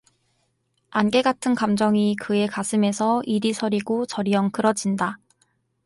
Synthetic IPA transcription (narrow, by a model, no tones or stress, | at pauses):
anɡe̞ɡatʰɯnkamd͡ʑʌŋikɯe̞kasʰɯme̞sʰʌiɾisʰʌɾiɡot͡ɕʌɾiʌŋkɯɾʌd͡ʑinda